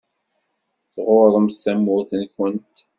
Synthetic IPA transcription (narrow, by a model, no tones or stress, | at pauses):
θʁʊðˤəmstæmːʊɾθənkənt̪